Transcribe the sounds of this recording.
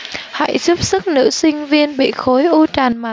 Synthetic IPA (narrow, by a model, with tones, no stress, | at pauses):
ha̰˧˥jt͡ɕu˦˥p̚sɨ˦˥k̚nɨ̰˧˥sï˧ŋ̟vi˧ənɓḭ˧˨xo˨˦jʔu˧t͡ɕaː˨˩nmaː˨˩